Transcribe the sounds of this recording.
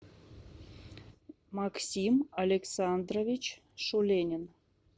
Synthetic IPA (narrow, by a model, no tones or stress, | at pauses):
mɑksʲimalʲeksɑnd̪rovʲit͡ɕ | ʃulʲenʲə̆n